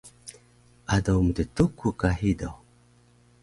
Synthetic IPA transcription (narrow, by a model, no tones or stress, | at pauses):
adawmut̪etukːukahidaw